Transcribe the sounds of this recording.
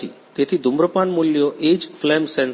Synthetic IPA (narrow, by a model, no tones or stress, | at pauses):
ḭ | t̪et̪ʰid̪ʱumbɾəpanmuljoʔed͡ʑflemsɛn